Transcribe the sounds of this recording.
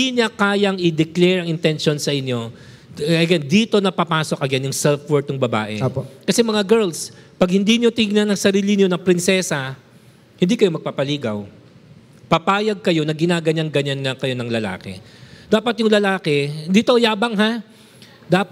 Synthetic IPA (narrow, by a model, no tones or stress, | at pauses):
iɲɐkaːjɐŋɪd̪ɛklɛɹɐŋɪnt̪ɛnʃo̞nsɐʔɪɲjo̞ | ʔɐɡɛnd̪iːt̪o̞nɐpɐpaːso̞k̚ʔɐɡɛnjʊŋsɛlfwɛɹt̪ʊŋbɐba̰ːʔɛ̰pkɐsɛmɐŋaɡɛɹlspɐɡ̚hɪnd̪inɪjot̪ɪŋnɐnɐŋsɐɾiːlɪnɪjonɐŋpɾɪnsɛsɐ | hɪ̃nd̪ikɐjo̞mɐɡ̚paːpɐliːɡɐw | pɐpaːjɐɡ̚kɐjo̞nɐɡɪnaːɡɐɲaŋɡɐɲanlɐkɐjo̞nɐŋlɐla̰ːkɛ̰d̪̥aːpɐt̪̚jʊŋlɐlaːkɛɪnd̪it̪ojaːbɐŋɦa | d̪aːp